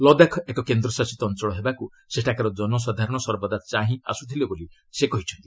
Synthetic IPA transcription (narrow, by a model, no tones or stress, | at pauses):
lɔd̪akʰɔekɔkend̪ɾɔsasit̪ɔnt͡ʃɔɭɔɦebaku | seʈʰakaɾɔd͡ʒɔnɔs̬ad̪ʱaɾɔɽ̃ɔsɔɾbɔd̪at͡ʃaɦĩa̰sut̪ʰileboli | sekɔɦit͡ʃʰɔnt̪i